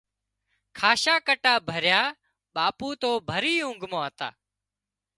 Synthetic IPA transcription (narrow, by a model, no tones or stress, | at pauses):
kʰaːʃaːkəʈaːbʱəɾjaː | ɓaːpuːt̪oːbʱəɾiːʊ̃ŋɡʱmõːət̪a̰ː